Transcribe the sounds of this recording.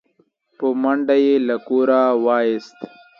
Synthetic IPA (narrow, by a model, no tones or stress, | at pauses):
pəmaɳɖajelakuɾawɑːjest̪